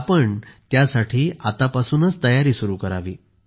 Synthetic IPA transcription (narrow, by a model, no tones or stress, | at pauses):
pəɳt̪jasaʈʰiːat̪apasuːnət͡st̪əjaɾiːsuɾuːkəɾaʋiː